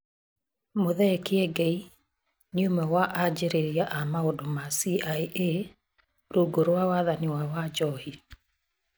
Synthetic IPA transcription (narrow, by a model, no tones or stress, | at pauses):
moðɛkɪɛɡei | njumɛwaʔad͡ʒeɾeɾjaʔamaodomasiajʔe | ɾoɡoɾowawaðanɪwawad͡ʒɔhi